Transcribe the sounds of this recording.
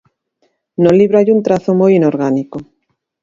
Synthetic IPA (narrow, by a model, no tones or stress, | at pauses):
nõliβɾaʎunt̪ɾaθomojinoɾɣaniko